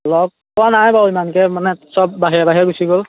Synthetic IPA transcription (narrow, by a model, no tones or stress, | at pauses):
lɔk̚pɔwanajbaimankɛmanɛsɔb̚ːaɦiabaɦiaɡusiɡol